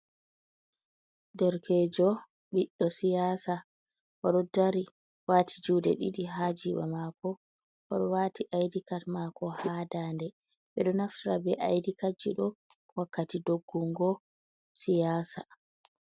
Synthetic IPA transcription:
dɔɾkʰɛd͡ʒɔ | ɓiɗːɔsijaːsa | ʔɔɗɔdaɾi | waːtʰid͡ʒuːdɛɗiɗiɦad͡ʒiɓa̰makɔ | ʔɔɗɔwaːtʰiʔajdikatmakɔhadandɛ | ɓɛɗɔnaftɾabɛʔajdikad͡ʒːiɗɔ | wakːatidoɡːuŋɡɔ | sijaːsa

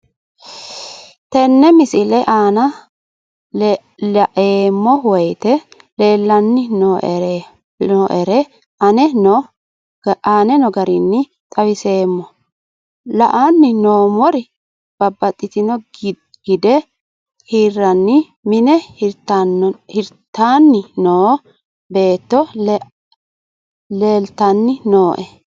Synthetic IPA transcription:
t̪ɛnːɛmɪsɪlɛʔaːnɐ | lɐʔeːmːɔwɔjt̪ɛ | leːlːɐnːɪn | ɔʔɛɾɛ | ɐnɛnɔ̥ | ʔaːnɛnɔɡɐɾɪnːɪ | t̪ʼɐwɪse̞ːmːɔ | lɐʔanːɪnoːmɔɾɪ | b̥ɐbːɐt̪ʼːɪt̪ɪnɔ | ɡ̥ɪd̪ɛ | hiːrːɐnːɪ | mɪnɛ | hɪɾt̪ːaːnːɪnoː | be̞ːt̪ːɔ | le̞ːlt̪ɐnːɪnoːʔɛ

